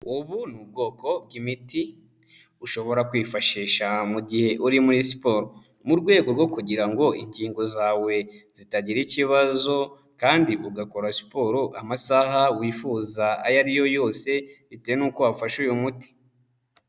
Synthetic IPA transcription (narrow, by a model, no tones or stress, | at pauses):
uβunub̚ɡo̞ːko̞b̚ɡimiti | uʃo̞βo̞ɾakwiːfaʃiːʃamuɟihe̞ʔuɾimuɾisi̥poːɾo | muɾɡwe̞ːɡo̞ɾɡo̞kuɟiɾaŋɡo̞ḭɲɟiːŋɡo̞zaːwe̞z̥itaɟiɾiciβazo̞ | kaːndiuɡako̞ɾasi̥po̞ːɾoʔamasahawiːfuːzaa̰jaɾijo̞jo̞ːse̞βiteenuːkoafaʃujumuti̥